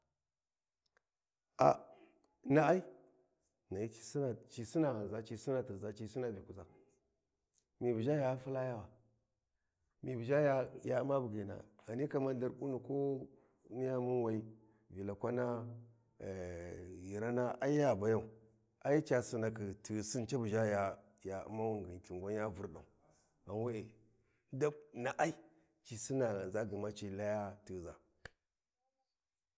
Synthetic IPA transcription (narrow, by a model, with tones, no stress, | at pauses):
a̰˨˦ | na˦a˦i˦ | na˨ji˦t͡ʃi̥˨si˦na˨t͡ʃi˨si˦na˨ɣa˨za˦t͡ʃi˨si˦na˨ti˨za˨t͡ʃi˨si˦na˨bi˨ku˨za˨ | mi˨vu˨d͡ʒa˦ja˨˦fu˦la˦ja˦wa˨ | mi˨bu˨d͡ʒa˦ja˦ja˨˦ma˦bu˨ɡi˨na̰˨ɣa˨ni˦ka˨ma˦nda˦ɾku˦nu˨ko˦ | ni˦ja˦mu˦nwa˨i˦ | vi˨la˨kʷa˦na˦˨ | ji˨ɾa˦na˦ʔa˦i˦ja˨ba˨ja˦˨u˨ | a˦ji˦t͡ʃa˨si˦na˨kə˨ti˨si˦nt͡ʃa˦bu˨d͡ʒa˦ja˨ | ja˨ṵ˦ma˦wu˦˨ŋɡi˨n˨ti˨ŋɡʷa˦n˦a˦vu˨ɾɗa̰˨u˨ | a˨n˦wa˦e˨˦ | da˦bna˨ʔa˦i˦ | t͡ʃi˨si˦na˨a˨za˦ɡi˨ma˦t͡ʃi˦la˦ja˦ti˨za˨